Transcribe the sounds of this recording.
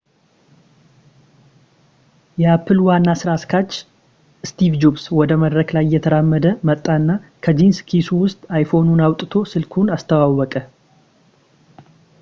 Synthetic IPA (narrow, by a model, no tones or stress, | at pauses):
jɛapʰːɨlwanːasɨɾaskʰat͡ʃː | ɨst̪ʰivd͡ʒobswɔd̪əməd̪ɾəklajjːɛt̪ʰəɾamːəd̪əmət̪ʼːaɨnːakʰəd͡ʒinskʰisuwʊst̪ʼajfo̞nunawt̪ʼɨt̪ʰo̞sɨlkʰunast̪ʰəwawːɔkʼə